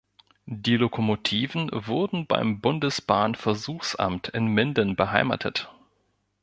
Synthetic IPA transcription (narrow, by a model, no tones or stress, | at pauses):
d̥iːlokʰomotʰiːvn̩vʊɐdn̩ba̰ɪmbʊndəsb̥aːnfɛɐzuːxsʔa̰mtʰɪnmɪndənbəɦaɪma̰tʰə̰t